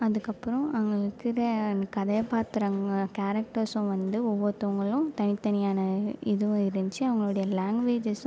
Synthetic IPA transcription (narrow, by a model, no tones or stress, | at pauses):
ɐðɯkːɐpːɯɾɐ̃ɐʋɐŋɡɐɭɯkːɯɾɐkɐðɐjpaːt̪ɪɾɐŋɐkaːɾɐk̚ʈɐɾsʊ̃ʋɐnd̪ɯɔʋːɐt̪ːoʋɐŋɡɐɭʊ̃t̪ɐnɪt̪ːɐnɪjaːnɐɪðɯʋʊ̃ɪɾɯɲd͡ʒɯɐʋɐŋɡɐɭɯɽɐjɐlaːŋɡʋeːd͡ʒɐsʊ̃